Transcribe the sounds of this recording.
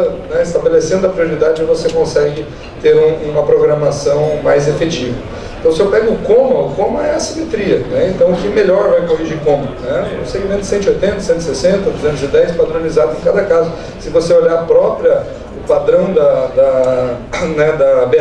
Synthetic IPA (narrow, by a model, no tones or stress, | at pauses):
ɐnɛɪst̪abelesẽnd̪ʊɐpɾioɾid̪ad͡ʒɪɪvosekõsɛɡɪ | t̪eɾũũmɐpɾoɡɾɐmasɐ̃w̃majzefet͡ʃivɐ | ẽt̪ɐ̃w̃sɪewpɛɡʊʊkõmɐʊkõmɐɛɐsimet̪ɾiɐnɛẽnt̪ɐ̃w̃ʊkɪmeʎɔɾvajkoviɾd͡ʒɪkõmɐnɛnɐ̃w̃seɡimẽnt̪sẽnt̪ʊojt̪ẽnt̪ɐsẽnt̪ʊɪsesẽnt̪ɐd̪uzẽnt̪ʊzɪd̪ɛjspad̪ɾõnizad̪ʊzẽkad̪ɐkazʊ | sɪvoseoʎaɾpɾɔpɾiɐ | ʊpad̪ɾɐ̃w̃d̪ɐd̪ɐ | nɛd̪ɐbe